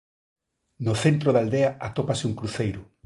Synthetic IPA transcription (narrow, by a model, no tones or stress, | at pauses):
noθent̪ɾoðald̪eɐʔat̪opasɪuŋkɾuθejɾʊ